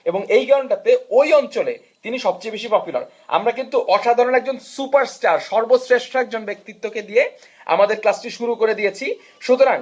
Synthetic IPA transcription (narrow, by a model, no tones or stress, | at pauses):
eboŋejɡaoɳʈat̪eojɔnt͡ɕolḛ | t̪iniʃɔbt͡ɕejbeʃipɔpjula̰ɾ | a̰mɾakint̪uʔɔʃad̪ʱaɾonɛk̚d͡ʑonsupaɾsʈaɾʃɔɾbosɾeʃʈʰɛk̚d͡ʑonbek̚t̪it̪ːoked̪ije | a̰mad̪eɾklasʈiʃuɾukoɾed̪ijet͡ɕʰi | ʃut̪oɾaŋ